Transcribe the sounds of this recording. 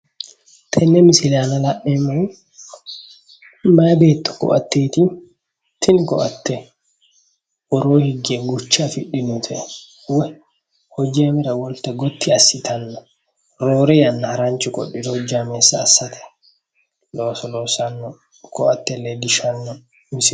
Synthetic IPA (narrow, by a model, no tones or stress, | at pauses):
t̪ʰɛnːɛmɪsɪlaːnɐlɐʔːɛmɔj | maːbeːt̪ːʊ̥kɔ̰ʔɐ̰t̪ːeːt̪i | t̪ʰɪnkɔ̰ʔɐt̪ʰːɛ | wɔɾoːhɪɡeɡʊt͡ʃːaːfɪɗːɪnʊt̪ʰɛʔɛ | wɛ | hɔd͡ʒeːmɪɾɐwɔlt̪ɛɡɔt̪ːɪɐsːɪt̪ʰɐnːɔ | ɾoːɾɛjɐnːɐhɐɾant͡ʃʼɪkʼɔ̰ɗɪd̪ɔɔd͡ʒaːmeːsːaːsːɐt̪ʰɛ̥ | loːsɔloːsɐnːɔ | kɔʔɐt̪ːɛlːɛd̪ɪʃɐnːɔ | mɪsɪ